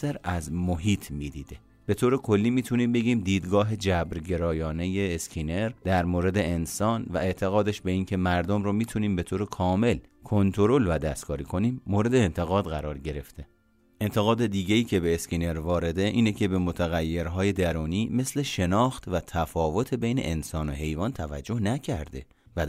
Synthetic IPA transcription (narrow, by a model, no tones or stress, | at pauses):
sæɾæzmoɦiːt̪ʰmiːd̪iːd̪e | b̥e̞t̪ʰoːɾekʰo̞lːiːmiːt̪ʰuniːmbe̞ɡiːmd̪iːd̪ɡɒːɦe̞d͡ʒæbɾɟe̞ɾɒːjɒːne̞jeːskʰine̞ɾd̪æɾmoːɾe̞d̪e̞ensɒːnvæe̞ʔt̪ʰe̞ɣɒːd̪eʃbe̞iːncʰe̞mæɾd̪omɾoːmiːt̪ʰuniːmbe̞t̪ʰoːɾekʰɒːme̞l | kʰo̞nt̪ʰo̞ɾo̞lvæd̪æst̪kʰɒːɾiːkʰo̞niːmːoːɾe̞d̪e̞ːnt̪ʰe̞ɣɒːd̪ɣæɾɒːɾɟe̞ɾe̞ft̪ʰe̞ | e̞nt̪ʰe̞ɣɒːd̪ed̪iːɟe̞iːcʰebe̞ːscine̞ɾvɒːɾe̞d̪e̞ʔiːnecʰe̞be̞mo̞t̪ʰæɣæjːe̞ɾɦɒːje̞d̪æɾuːniːmesle̞ʃe̞nɒːxt̪væt̪ʰæfɒːvo̞t̪ʰebe̞jne̞̰ʔensɒːnoɦe̞jvɒːnt̪ʰævæd͡ʒːo̞hnæcʰæɾd̪e̞ | væ